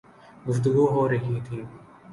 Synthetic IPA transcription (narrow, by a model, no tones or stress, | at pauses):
ɡʊft̪ʊɡuːɦoːɾɐɦĩːt̪ʰĩː